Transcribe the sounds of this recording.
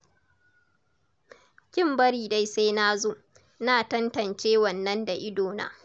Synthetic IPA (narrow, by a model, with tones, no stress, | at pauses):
kʲɪ˦˨mbɐ˦ɽiː˨da˦jsa˦jnaː˦zoː˦ | naː˨tɐ˦ntɐ˨nt͡ʃeː˦wɐ˨nːɐ˦nda˨ʔɪ˦doː˨na̰ː˦